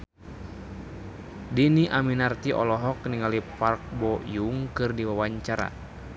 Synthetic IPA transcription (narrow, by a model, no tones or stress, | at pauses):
diniʔaminart̪iʔɔ̰lɔɦɔkniŋalipark̚bɔjuŋkɨrdiwawaɲt͡ʃaɾa̰